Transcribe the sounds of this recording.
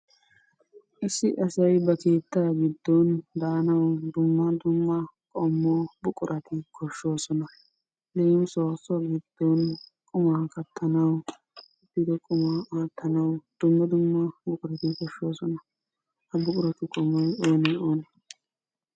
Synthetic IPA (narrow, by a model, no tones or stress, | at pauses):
ʔɪsːɪʔɐsɐjbɐke̞ːt̪ːaːɡɪd̪ːɔnd̪aːnɐwd̪ʊmːɐd̪ʊmːɐkʼɔmːɔbʊkʼʊɾʔɐt̪ɪkʰɔʃːo̞ːsɔnɐ | lemso̞ːsɔɡɪd̪̥ːɔnkʼʊmakɐt̪ʰːɐnɐw | ɛt̪ːɪd̪ɔkʼʊmaaːt̪ʰːɐnɐwd̪̥ʊmːɐd̪ʊmːɐbʊkʼʊɾɐt̪ɪkɔʃːo̞ːsɔnɐ | hɐbʊkʼʊɾɐt̪ɪkʼɔmːɔjo̞ːnɛoːnɛ